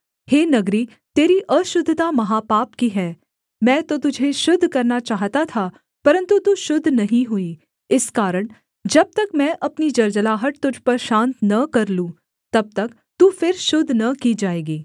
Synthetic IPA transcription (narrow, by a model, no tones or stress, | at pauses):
heːnɐɡɾiː | t̪eːɾiʔɐʃʊd̪ʱt̪amɐɦaːpaːpkiɦɛː | mɛ̃ːt̪ot̪ʊd͡ʒʱeʃʊd̪ʱkɐɾnat͡ʃaːɦt̪at̪ʰa | pɐɾə̃nt̪ut̪uʃʊd̪ʱːnɐɦĩɦʊi | ɪskaːɾəɽ̃ | d͡ʒɐb̚t̪ɐkmɛ̃ːʔɐpnid͡ʒɐɾd͡ʒəlaːɦəʈ̚t̪ʊd͡ʒʱpɐɾʃãːnt̪nɐkɐɾlũ | t̪ɐb̚t̪ɐk | t̪uːfɪɾʃʊd̪ʱːnɐkid͡ʒaːeːɡiː